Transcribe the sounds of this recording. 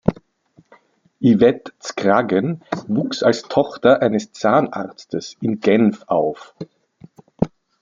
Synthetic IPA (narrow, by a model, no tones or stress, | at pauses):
ʔivɛtt͡skʁaɡənvuːksalstʰɔχtɐʔaɪnəst͡saːna̰ʁt͡stəsɪnɡɛnfʔaʊf